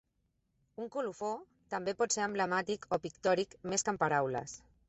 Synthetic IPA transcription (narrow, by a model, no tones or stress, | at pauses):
uŋkulufo | t̪əmbepɔt̪seɾəmbləmat̪ikʰopikt̪ɔɾikmeskəmpaɾawlə̰s